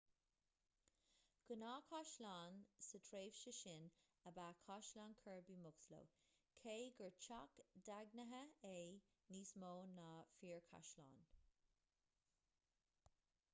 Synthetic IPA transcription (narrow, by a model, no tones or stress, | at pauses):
ɡ̥ənɑːkʰaʃlaːnsətʰɾeːvʃəʃɪn | əbaːkʰɑʃlankʰəɹbimʊkslo̰wkʰeːɡəɹt͡ʃʰakdaɡnəɦəe | niːsmoːnaːfiːɹkʰa̰ʃla̰ːn